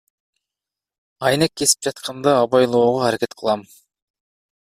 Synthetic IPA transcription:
ɑjnekːe̞si̥p̚d͡ʒɑt̪qʰɑnd̪ɑːβɑjlˠo̞ːʁoæɾeke̞t̪qʰəlˠɑm

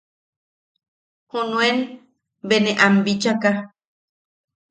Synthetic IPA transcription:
hunũen | beneʔambit͡ʃaka

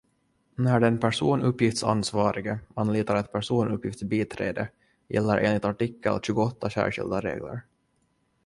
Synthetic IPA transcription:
næɖɛnpʰæʂuːnɵpːjɪft̪sa̰nsvɑːɾɪɡəanliːt̪aɾɛt̪̚pʰæʂuːnɵpːjɪft̪biːt̪ʰɾeːd̪ə | jɛ̰lːəɾʔeːnlɪt̪aʈɪkːə̰lɕʉːɡʊɔt̪ːaɕæ̰ːɧɪ̰ld̪aɾḛːɡlə̰ɾ

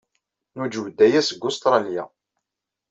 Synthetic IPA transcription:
nud͡ʒəwd̪ːæjæsəɡːʊst̪ɾˤɑlja̰

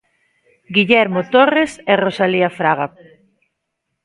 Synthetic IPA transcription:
ɡiʎɛɾmot̪oreserosaliafɾaɣa

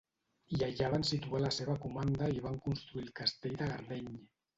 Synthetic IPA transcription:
ʎaʎaβansit̪ualaseβ̞akumand̪aiβ̞aŋkunst̪ɾuilˠkast̪eʎd̪aɣaɾleɲ

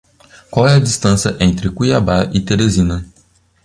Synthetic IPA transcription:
kwawɛɐd͡ʒist̪ɐ̃sjɐʔẽnt̪ɾɪkujabaʔɪt̪eɾezĩnɐ

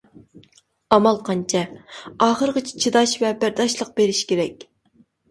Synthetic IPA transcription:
ɑmɑlˠqʰɑnt͡ʃʰɛɑːχəɾʁɨt͡ʃʰi̥t͡ʃʰid̪ɑʃvɛbæɾd̪ɑʃlˠəq̚beɾɪʃkʲeɾɛkʲ

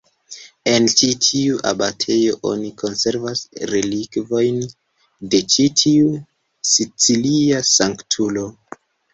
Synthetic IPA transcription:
e̞nt͡ʃitʰiuʔa̰batʰe̞jo̞ʔo̞̰nikʰo̞nse̞ɾvasɾe̞likvo̞jn | de̞t͡ʃitʰiu | sit͡siliasaŋktʰulo̞

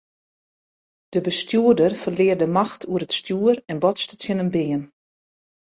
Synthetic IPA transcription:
d̥əbəstjuərdərfərlɪːərdəmaxtʰuəɾətstjuərɛnbɔtstətjənəmbɪːən

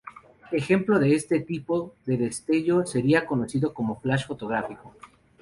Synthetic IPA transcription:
e̞xe̞mplo̞ðe̞est̪e̞t̪ipoðe̞ðe̞st̪e̞ʝo̞se̞ɾiako̞no̞siðo̞ko̞mo̞flaʃfo̞t̪o̞ɣ̞ɾafiko

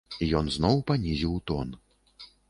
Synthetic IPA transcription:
ijɔnznɔwpanʲizʲiwt̪ɔn

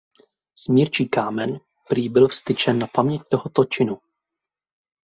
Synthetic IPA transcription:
smɲiɾt͡ʃiːkaːmɛn | pɾiːbɪlfst̪ɪt͡ʃɛnːapamɲɛct̪oɦot̪ot͡ʃɪnu

